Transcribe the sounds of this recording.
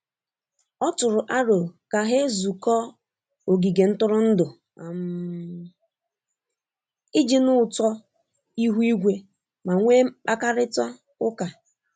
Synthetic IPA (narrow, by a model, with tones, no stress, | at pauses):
ɔ˦tʊ˨ɾʊ˨ʔa˦ɾo˨ka˨ɦe˦zu˨kɔ˦ | o˨ɡi˨ɡe˨n̩˦tʊ˦ɾʊ˦n̩˦dʊ˨ | a˨m˦ | ɪ˦d͡ʒi˦nʊ˦ʊ˨tɔ˦ | i˦ɦu˦i˦ɡʷe˦ | ma˨ŋʷe˦k͡pa˦ka˦ɾɪ˦tɔ˦ | ʊ˦ka˨